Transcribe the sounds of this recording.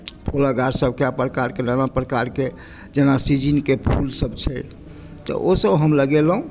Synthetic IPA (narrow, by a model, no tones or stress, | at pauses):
pʰolaɡaɾsəb̚keapɾəkaɾkenanapɾəkaɾke | d͡ʒenasid͡ʒinkepʰulsəbt͡ʃʰɛ | t̪ɔ̰ʔosəbɦəmləɡelɦũ